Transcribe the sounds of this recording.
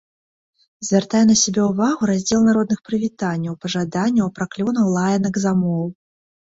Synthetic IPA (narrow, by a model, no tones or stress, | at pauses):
zʲvʲart̪ajɛnɐsʲabʲɛuvaɣuɾazʲd͡zʲɛlˠnaɾɔd̪nɨxpɾɨvʲit̪anʲːɐwpɐʐad̪anʲːɐwpɾaklʲɔnɐwlˠajɛnɐɡzamɔw